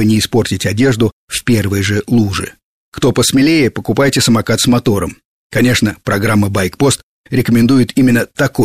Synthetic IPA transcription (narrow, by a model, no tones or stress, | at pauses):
ɨnʲɪːspo̞rtʲɪtʲɐdʲe̞ʐd̪ʊfʲpʲe̞rvəjʐɨlˠuʐɨ̰ | kt̪o̞pəsmʲɪlʲejɪpəkʊpajtʲɪsəmɐkat̪smɐt̪o̞ɾəm | kɐnʲe̞ʂnəpɾɐɡɾamːəbajkpo̞st̪ | ɾʲɪkəmʲɪnd̪ujɪt̪imʲɪnːət̪ɐko